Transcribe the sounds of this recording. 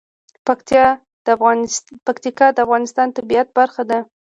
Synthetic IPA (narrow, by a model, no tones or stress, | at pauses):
pajɑ | pakt̪ikɑd̪əafɣɑnɪst̪ɑnt̪abijat̪̚baɾxad̪a